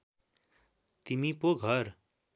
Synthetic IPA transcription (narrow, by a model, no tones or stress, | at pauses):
t̪imipoɡʱʌɾ